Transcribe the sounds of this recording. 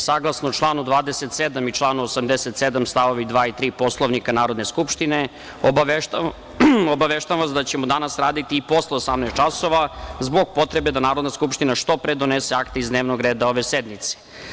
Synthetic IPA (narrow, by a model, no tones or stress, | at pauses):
saɡlˠasnot͡ʃlˠaːnud̪ʋaːd̪e̞se̞t̪sed̪amit͡ʃlˠaːnuosamd̪eset̪sed̪amst̪aʋo̞ʋid̪ʋaːit̪ɾiːpo̞slˠoʋnikanaːɾod̪ne̞skupʃt̪ine̞ | obae | obaʋeʃt̪amʋasd̪at͡ɕemod̪anasɾaːd̪it̪iːpo̞sleosamnaːst̪t͡ʃaso̞ʋazbo̞ɡ̚po̞t̪ɾe̞be̞d̪anaːɾo̞d̪naskupʃt̪inaʂt̪o̞pɾed̪o̞neseakt̪eizd̪neːʋnoɡɾeːd̪ao̞ʋe̞sed̪mit̪se̥